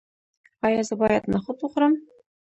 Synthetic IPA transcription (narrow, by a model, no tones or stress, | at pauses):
ɑjɑzɤ̆bɑjɑt̪nɤ̆χɤ̆t̪uχɾɤ̆m